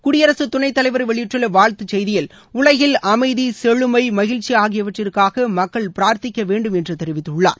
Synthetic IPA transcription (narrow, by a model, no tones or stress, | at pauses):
kʊɽɪjɐɾɐsɯt̪ʊnɐɪt̪ːɐlɐɪʋɐɾʋɛɭɪjɪʈrɪlɐʋaːɭt̪ɯt͡ʃɛjðɪjɪl | ʊlɐjɪlɐmɐɪðisɛɻɯmɐɪmɐɣɪɻt͡ʃːiaːɣɪjɐʋɐʈrɪrkaːɣɐmɐkːɐɭpɪɾaːɾt̪ɪkʲːɐʋeːɳɖɯmɛndrɯt̪ɛɾɪʋɪt̪ːɯɭːa̰ːɾ